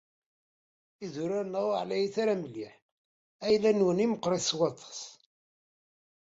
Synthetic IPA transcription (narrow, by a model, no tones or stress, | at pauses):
iðuɾæɾnəʁʕlæjiθaɾæmliħ | æjlːænwəniməqːɾˤiθswɑt̪ˤʰɑ̥s